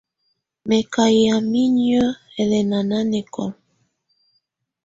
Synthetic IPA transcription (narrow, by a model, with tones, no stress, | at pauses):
mɛ˨ka˨ja˨mi˦ɲ˦ɔ˦ | ɛ˨lɛ˨na˨na˦nɛ˨kɔ̰˨m